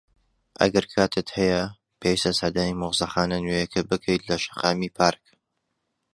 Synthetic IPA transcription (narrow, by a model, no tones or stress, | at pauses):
ʔɐ̰ɡɐɾkʰaːt̪ʰɨt̪hɐjɐ | pʰeːwist̪ɐsɐd̪aːnimʊʁzɐxaːnɐnwejɐkʰɨbɨkʰɐjt̪lɐʃɐ̥qɑːmiːpʰaːɾk